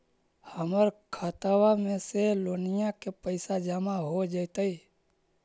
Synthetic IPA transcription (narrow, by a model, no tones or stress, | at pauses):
həməɾkʰat̪awamẽselonɪjãkepəɪsad͡ʒamaɦod͡ʒəɪt̪əi